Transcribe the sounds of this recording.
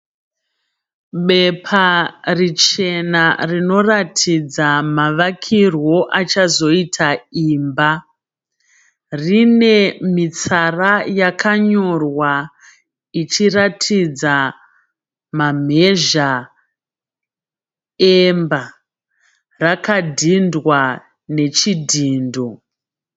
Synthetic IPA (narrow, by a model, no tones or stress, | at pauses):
ɓe̞pʰarit͡ʃe̞narino̞ratʰid͡zamaʋakʰirwo̞ʔat͡ʃazo̞itʰaiːmba | rine̞mit͡sarajakʰaɲo̞rwa | it͡ʃiratʰid͡za | mam̤e̞ʒa | emba | rakadʱindwa | ne̞t͡ʃidʱiːndo̞